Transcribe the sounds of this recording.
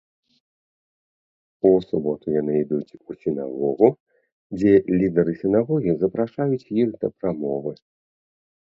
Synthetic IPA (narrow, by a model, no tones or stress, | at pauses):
usubɔt̪ujanɨid̪ut͡sʲusʲina̰ɣɔɣu | d͡zʲɛlʲid̪ɛɾɨsʲɪnaɣɔɣʲizɐpɾaʂajut͡sʲjiɣd̪ɐpɾamɔvɨ